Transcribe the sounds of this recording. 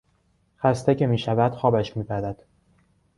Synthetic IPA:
xæst̪ecʰe̞miːʃævæd̪̥xɒːbæʃmiːpæd̪æd̪̥

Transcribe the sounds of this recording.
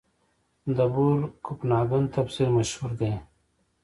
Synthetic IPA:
d̪ɐbuɾkʰupnaːɡɐnt̪ɐbsiɾmɐʃhuɾɡ̪ẽ

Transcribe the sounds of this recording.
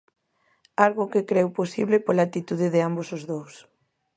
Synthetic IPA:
alɣʊkekɾɛwposiβlɪpolaːt̪it̪uðɪðɪambosʊzðows

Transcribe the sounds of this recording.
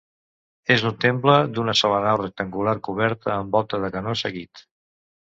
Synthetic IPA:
ezəlˠt̪empləd̪unəsɔlənawrək̚t̪əŋɡulaɾkuβ̞ɛɾt̪əːmbɔlˠt̪əðəkənosəɣit̪

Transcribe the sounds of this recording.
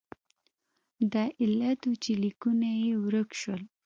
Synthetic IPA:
d̪ɑʔɪlat̪ot͡ʃelikunajewɾəkʃwəl

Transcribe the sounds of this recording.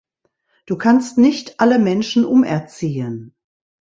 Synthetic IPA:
d̥uːkʰanstnɪçtʰʔaləmɛnʃn̩ʔʊmɛ̰ɐt͡siːən

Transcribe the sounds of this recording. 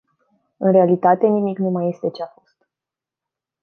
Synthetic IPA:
ɨnɾe̞alit̪at̪e̞nimiknumaje̞st̪e̞t͡ʃeafost̪̚

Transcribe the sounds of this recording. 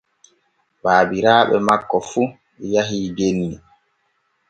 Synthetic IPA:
baːbiɾaːɓɛ̰makːɔfu | ɛjaɦiːbenːi

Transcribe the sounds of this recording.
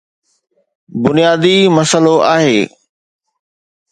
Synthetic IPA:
bʊnijaːd̪imɐsəloʔaːɦeː

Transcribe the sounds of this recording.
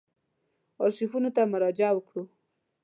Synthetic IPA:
ɑɾʃifunot̪amʊɾɑd͡ʒawəkɽu

